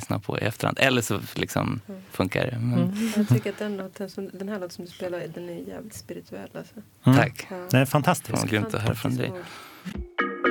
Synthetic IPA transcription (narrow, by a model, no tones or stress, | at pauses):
snapʰɔ̰ɪ̰ɛft̪əɾa̰nd̪ɛlːəʂɔlɪksɔmfɵŋka̰ɖɛmɛnaʏkːəɾat̪̚d̪ɛɛnd̪t̪ɛsɔmd̪ɛnhæːɭɔːt̪sɔmd̪ɵspeːlad̪ɛnæjjæ̰ːvlɪt̪spɪɾɪt̪ʰɵɛ̰lːalsɔ | t̪ːʰakːd̪ɛɛfant̪ʰast̪ɪ̥sɡnt̪əɔɦœːɾafɾɔnd̪ɛ̰j